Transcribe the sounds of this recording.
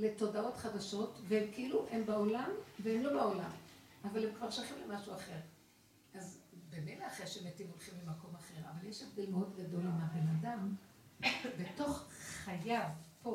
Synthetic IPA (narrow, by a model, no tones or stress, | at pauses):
le̞to̞dao̞tχad̪aʃo̞tveemkeiluʔembao̞lamveemlo̞bao̞lam | avale̞mkvaʁʃalχimlemaʃuaχe̞ʁ | ʔazbemelaaχeʃemetimo̞lχimlemako̞maχe̞ʁavaljeʃevd̪e̞lmeo̞d̪ɡado̞lamabe̞nadam | be̞to̞χχajavpo